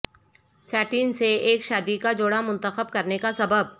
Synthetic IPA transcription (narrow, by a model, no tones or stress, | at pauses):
sɛːʈiːnseeːkʃaːd̪ikad͡ʒoːɽamʊ̃nt̪əxəb̚kɐɾnekasɐbəb̚